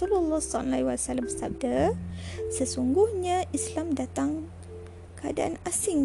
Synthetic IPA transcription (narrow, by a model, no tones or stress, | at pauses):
ululːɑsanaiwalsalambəsab̚da | səsuŋɡʊhɲãʔislamdat̪aŋ | kəa̰da̰ʔa̰nasɪŋ